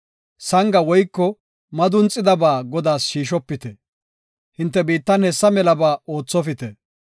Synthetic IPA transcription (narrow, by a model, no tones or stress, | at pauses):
sɐŋɡɐwɔjkːɔ | mɐd̪ʊnt͡sʼːɪd̪ɐbaːɡɔd̪aːsʃiːʃ̬ɔpːɪt̪ɛ | hɪnt̪ːɛbiːt̪ːɐnhɛsːɐmɛlɐbaːoːt͡sːɔfɪt̪ɛ